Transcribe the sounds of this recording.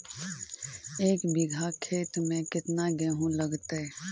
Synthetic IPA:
eːkbɪɡʱakʰeːt̪mẽkɪt̪naɡɛːɦũləɡt̪ɛ

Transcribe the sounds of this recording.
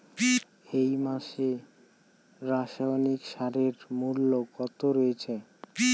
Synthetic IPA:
ejmaʃe | ɾaʃaonikʃaɾeɾmulːokɔt̪oɾojet͡ɕʰe

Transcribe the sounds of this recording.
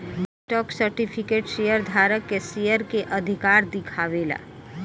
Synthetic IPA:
nɛk̚ʈɔːksəɾʈipʰikeːʈʃeːjəɾd̪ʱaːɾəkːesijəɾkeʔəd̪ʱikaːɾd̪ɪkʰaːʋeːla̰ː

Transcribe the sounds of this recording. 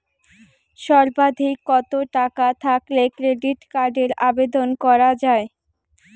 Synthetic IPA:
ʃɔɾbad̪ʱikːɔt̪oʈakat̪ʰaklekɾeɖiʈkaɾɖeɾabed̪onkɔɾad͡ʑae

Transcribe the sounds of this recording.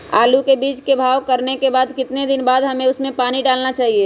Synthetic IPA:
a̰ːlukebiːt͡ʃkebʱaːʋkɐɾnekebaːd̪kɪt̪ned̪ɪnbaːd̪ɦɐmẽʊsmẽpaːniɖaːlnat͡ʃaːɦie

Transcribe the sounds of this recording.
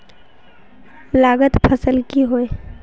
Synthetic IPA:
laːɡət̪pʰəsəlkiɦoe

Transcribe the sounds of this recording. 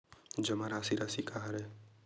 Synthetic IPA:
d͡ʒəmaɾasiɾasikaɦɾɛ

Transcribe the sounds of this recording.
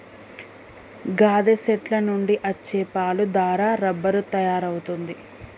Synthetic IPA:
ɡaːd̪eseʈlɐnuɳɖiʔɐt͡ʃːɛːpaːlud̪aːɾaːɾɐbːɐɾut̪ɐjaːɾɐwut̪und̪i

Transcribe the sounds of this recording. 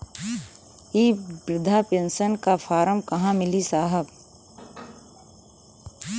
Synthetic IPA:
iːbɾɪd̪ʱapẽnsənkapʰaːɾəmkɐɦãmɪlisaːɦəb

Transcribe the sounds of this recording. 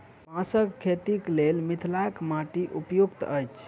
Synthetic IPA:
pãsəkkʰːet̪iklelmit̪ʰlajkmaʈiʔupjuɡt̪əjt͡ʃʰ

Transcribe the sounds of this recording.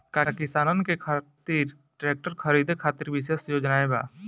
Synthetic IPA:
kakɪsaːnənkekʰat̪iːɾ | ʈɾeːk̚ʈəɾkʰəɾiːd̪ʱekʰaːt̪iɾbɪʃeːsjoːd͡ʒnaːeba̰ː

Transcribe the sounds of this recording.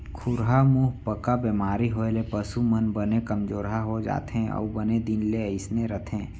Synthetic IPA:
kʰʊɾɦamuːɦpəkabemaːɾiɦoːelepəsumənbənekəmd͡ʒoːɾɦaɦod͡ʒa̰ːt̪ɦẽɔ̰ːbəned̪ɪnleəɪsneɾət̪ʰẽː

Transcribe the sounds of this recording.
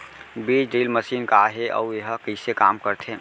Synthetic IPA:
bit͡ʃɖilməsiːnkaɦeʔɔ̰ueɦəkəɪsekaːmkəɾt̪ʰẽ

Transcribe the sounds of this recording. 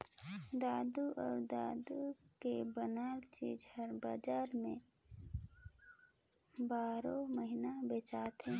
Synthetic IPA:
d̪aːd̪uʔɔːɾd̪aːd̪ukebənaːlt͡ʃḭːd͡ʒhəɾbad͡ʒaːɾmẽ | baːɾoməɦinabeːt͡ʃaːt̪ɦɛ̃ː

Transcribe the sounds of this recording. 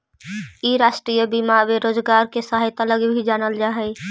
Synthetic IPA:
iɾasʈɾijəbimabeɾoːd͡ʒɡaːɾkesaɦjt̪ələɡbʱid͡ʒaːnəld͡ʒaːɦɛɪ

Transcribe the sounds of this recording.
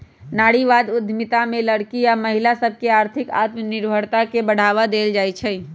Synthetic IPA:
naːɽiʋad̪ʊd̪ʱːmit̪ameləɽkiaməɦilasəb̚ʱkeaːɾt̪ʰɪka̰ːt̪mənɪɾbʱəɽt̪akebəɽ̤aʋad̪eld͡ʒajt͡ʃʰɛ

